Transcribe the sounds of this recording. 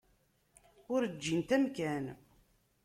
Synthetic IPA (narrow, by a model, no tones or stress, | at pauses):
ʊɾəd͡ʒːint̪æmkæn